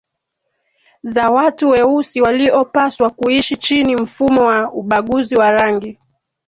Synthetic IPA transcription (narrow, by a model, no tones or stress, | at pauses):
zawatuwɛusiwaliɔpaswakuiʃit͡ʃinim̩fumɔwauɓaɠuziwaɾaŋɡi